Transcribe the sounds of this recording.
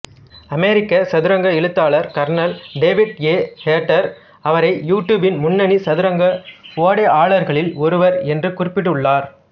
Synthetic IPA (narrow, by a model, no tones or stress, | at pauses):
ɐmeːɾɪkːɐsɐðɪɾɐŋɡɐɪɭɯt̪ːaːɭɐɾkɐɾnɐlɖeːʋɪʈeːheːʈːɐɾ | ɐʋɐɾɐɪjuːʈːjuːbɪnmʊnːɐnisɐðɪɾɐŋɡɐfoːɽeːaːɭɐɾɣɐɭɪlɔɾɯʋɐɾɛndrɯkʊrɪpːɪʈːɯɯɭːaːɾ